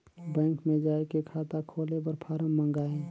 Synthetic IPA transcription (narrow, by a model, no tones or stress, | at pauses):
bɛ̃ːŋkmẽd͡ʒaːekekʰaːt̪akʰoːlebəɾpʰaːɾəmːə̃ŋɡaːẽː